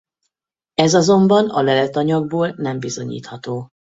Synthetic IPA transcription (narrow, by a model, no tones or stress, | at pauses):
ɛzɒzo̞mbɒnɒlɛlɛt̪ɒɲɒɡ̚boːlnɛmbizo̞ɲḭːt̪hɒt̪oː